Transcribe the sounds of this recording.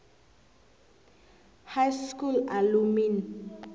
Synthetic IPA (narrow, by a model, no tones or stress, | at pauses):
hajskulalumin